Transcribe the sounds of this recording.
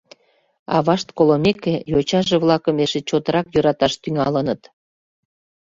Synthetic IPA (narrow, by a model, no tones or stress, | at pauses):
ɑ̰βɑʃt̪kolomekːejot͡ɕɑʒeβlɑkəmeʃet͡ɕot̪əɾɑkjøɾɑt̪ɑʃt̪yŋɑlənət̪